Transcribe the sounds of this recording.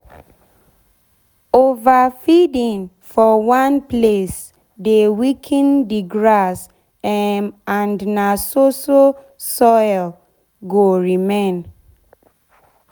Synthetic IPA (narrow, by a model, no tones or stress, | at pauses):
ovafidĩn | fɔwãnples | dewikʰĩndiɡɹas | ɛmãndnasoso | sɔjl | ɡoɹimẽn